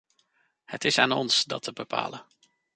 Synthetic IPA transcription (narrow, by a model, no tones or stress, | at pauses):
hətɪsaːnɔ̰nsdɑtʰəbəpʰa̰ːlə